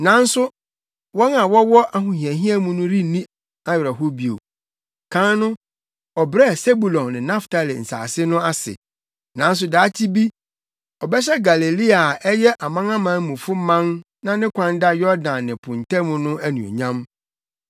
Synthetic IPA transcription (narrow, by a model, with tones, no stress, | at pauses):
nã˨˦n̩˦sʊ˦ | wɔ˦nã˨wɔ˦wɔ˦ʔa˦ɦũ˨hĩ˨ɛ̃˨ɦĩ˦ɛ˦mũ˦nʊ̃˦ɾi˦nĩ˦ | a˦ɥɪ˨ɾa˨ɦo˦bi˨o̰˨ | kʰã˦nnʊ̃˦ | ɔ˨bɾɛ˦˨se˦bu˨lɔ̃˨nnɪ̃˨nã˦fta˨lɪ̰˨n̩˨sa̰ː˨sɪ˦nʊ̃˦a˦sɪ̰˨ | nã˨n̩˦s̬ʊ˨daː˨˦tʰi˦bi˦ | ɔ˨bɛ˦ɕ̬ɛ˦ɡa˨le˨li˦a˨ɛ˦jɛ˦ʔa˨mã˦ŋã˦mã˨˦mũ˨fʊ˦mã˦n | nã˦nɪ̃˦kʷʰã˦nda˦jɔ˦dã˨nːɪ̃˨pʰʊ̃˨n˨tʰɛ̃˦mʊ̃˦nʊ̃˦æ˦nũ˨o̰˨ɲã˦m